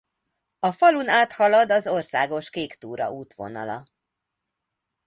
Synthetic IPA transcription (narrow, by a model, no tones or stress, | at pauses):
ɒfɒlunaːt̪hɒlɒd̪ɒzo̞rsaːɡo̞ʃkeːkt̪uːɾɒ̰uːt̪ʋo̞̰nɒ̰lɒ̰